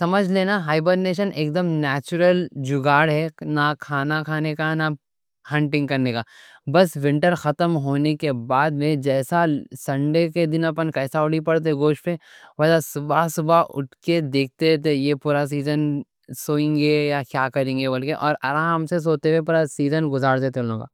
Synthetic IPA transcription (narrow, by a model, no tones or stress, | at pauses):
sɐməd͡ʒʱleːnaɦaːɪbəɖneːʃənʔeːk̚d̪əmnɛːt͡ʃʊɾəld͡ʒʊɡaːɽɦɛnakʰaːnakʰaːnekana | hɐ̃ɳʈɪ̃ŋɡkɐɾnekaːbɐsʋɪ̃ɳʈəɾxɐt̪əmɦoːnekebaːd̪mẽd͡ʒɛːsasɐ̃ɳɖeked̪ɪnɐpənkɛːsaʊɽipɐɽt̪̬eɡoːʃʈpeʋɐlasʊbasʊbaʊ̰ʈked̪eːk̚t̪et̪ejepuːɾas̬iːzən | soːẽːŋɡejakjaːkɐɾẽːŋɡebɐlkeʔɔːɾɐɾãːɦmses̬oːt̪eʋepuːɾasiːzənɡʊzaːɾd̪eːt̪ʰeʊlõːɡa̰ː